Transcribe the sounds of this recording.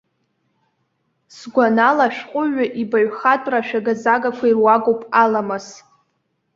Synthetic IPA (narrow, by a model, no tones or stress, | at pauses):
sɡʷanalaʃᶣqʷʼʊɥʊʔibaɥχatʷʼraʃᶣaɡazaɡakʷʰairwaɡowpʼalamɨs